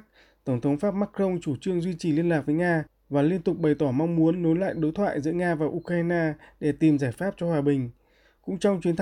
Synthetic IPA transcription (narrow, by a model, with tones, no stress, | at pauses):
t̪ə˧˩wŋ͡mt̪ʰə˨˦wŋ͡mfaː˦˥p̚maː˦˥kə˧wŋ͡mt͡ɕu˧˩t͡ɕɨ˧əŋzwi˧t͡ɕi˨˩li˧ənlaː˨˩k̚vəː˨˦jŋaː˧ | vaː˨˩li˧ənt̪ʊ˨˩k͡p̚ɓə˨˩jt̪ɔ˧˩ma˧ŋ͡mmu˨˦ənːo˨˦jla̰ː˧˨jɗo˨˦jt̪ʰwa̰ː˧˨jzɨ̰˧˥əŋaː˧vaː˨˩ʔu˧kɾaː˧naː˧ɗe˧˩t̪i˨˩mzaː˧˩jfaː˦˥p̚t͡ɕɔ˧hwaː˨˩ɓï˨˩ŋ̟ | kʊ̰˧˥ŋ͡mt͡ɕɔ˧wŋ͡mt͡ɕwi˨˦ənt̪ʰ